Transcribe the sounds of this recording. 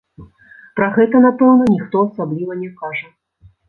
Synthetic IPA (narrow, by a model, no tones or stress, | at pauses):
pɾɐɣɛt̪ɐnapɛwnɐnʲixt̪ɔɐsablʲivɐnʲɛkaʐə